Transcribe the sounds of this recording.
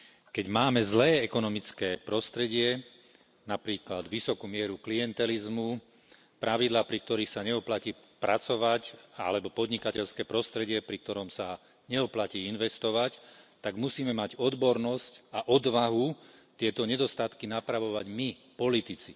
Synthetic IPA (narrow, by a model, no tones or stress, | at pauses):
kɛɟmaːmɛzlɛːɛkɔnɔmit͡skɛːpɾɔst̪ɾɛɟɪɛ | napɾiːklad̪ʋisɔkuːmɪɛɾuklijɛnt̪ɛlizmu | pɾʔaʋid̪laːpɾik̚t̪ɔɾiːxsaɲɛɔplaciː | pɾat͡sɔʋaca̰lɛbɔpɔd̪ɲikacɛʎskɛːpɾɔst̪ɾɛɟɪɛpɾik̚t̪ɔɾɔmsa | ɲɛɔplaciːinʋɛst̪ɔʋact̪aɡmusiːmɛmaɟɔd̪bɔɾnɔscaʔɔd̪ʋaɦut̪ɪɛt̪ɔɲɛd̪ɔst̪at̪kinapɾaʋɔʋaɟmi | pɔlit̪it͡si